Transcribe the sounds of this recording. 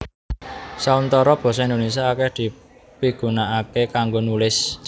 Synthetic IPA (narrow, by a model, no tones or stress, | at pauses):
saunt̪ɔɾɔb̥ɔ̤s̬ɔind̪ones̬iaakɛhd̪̥i̤ | piɡ̥ṳnaʔakekaŋɡonulɪs